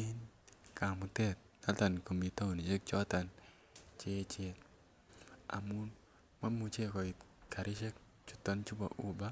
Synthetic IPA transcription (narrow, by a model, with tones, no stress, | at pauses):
i˦nka˨mu˨tɛ˦˨t̚ | na˦ta˨nko˨mi˨ta˦u˨ni˨ʃe˦k̚t͡ʃɔ˦ta˨n | t͡ʃe˦t͡ʃɛ˨t | a̰˨mu˦n | ma˦mu˨t͡ʃe˦kɔ˨ɪ˨t | kʰa˨ɾɪ˦ʃɛ˦k | t͡ʃu̥˦ta˦nt͡ʃu˦ba̰˨ʔu˦ba˦